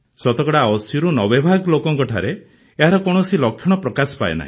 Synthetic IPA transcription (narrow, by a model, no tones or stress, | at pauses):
sɔt̪ɔkɔɽaɔsjɔɾunɔbebʱaɡlokɔŋkɔʈʰaɾe | eɦaɾɔkɔɽ̃ɔsilɔkʰjɔɽ̃ɔpɾɔkasɔ̥paḛna̰ɦḭ̃